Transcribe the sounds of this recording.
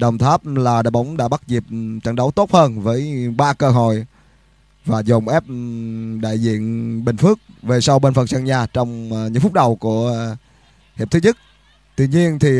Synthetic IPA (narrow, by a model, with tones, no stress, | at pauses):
ɗə˨˩wŋ͡mt̪ʰaː˦˥p̚laː˨˩ɗa̰ː˧˨jɓa˨˦wŋ͡mɗa̰ː˧˥ɓa˦˥t̚zi˨˩p̚t͡ɕə˧˩nɗə˨˦wt̪o˦˥t̚həː˧nvəː˨˦jɓaː˧kəː˧ɦo̰˧˨j | vaː˨˩zo˨˩ŋ͡mʔɛ˦˥p̚ɗa̰ː˧˨jzḭ˧˨ənɓï˨˩ŋ̟fɨ˦˥ək̚ve˨˩sa˧wɓe˧nfə˨˩nsaː˧ŋɲaː˨˩t͡ɕɔ˧wŋ͡mɲɨ̰˧˥ŋfʊ˦˥k͡p̚ɗə˨˩wku˧˩ə | hi˨˩t̪ʰɨ˨˦ɲɨ˦˥k̚ | t̪wḭ˧˨ɲi˧ənt̪ʰi˨˩